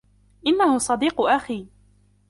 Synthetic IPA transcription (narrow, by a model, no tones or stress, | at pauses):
ʔɪnːahʊsˤɑd̪iːqʊʔaxiː